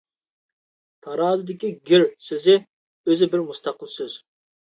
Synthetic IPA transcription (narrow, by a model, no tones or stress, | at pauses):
t̪ʰɑɾɑːzɨd̪ɪkʲiɡʲɪɾsøzɪ | øzɪbɪɾmust̪ʰɑqəlˠsøz̥